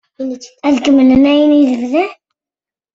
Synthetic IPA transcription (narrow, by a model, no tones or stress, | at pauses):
æðkəmənənæjəniðəvðæ